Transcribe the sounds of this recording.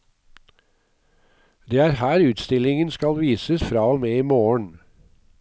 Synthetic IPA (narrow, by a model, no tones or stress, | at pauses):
d̪eːæːɾhæːɾʉːt̪st̪ɪlɪŋənskɑlʋiːsəsfɾɑːoːmeːiːmoːəɳ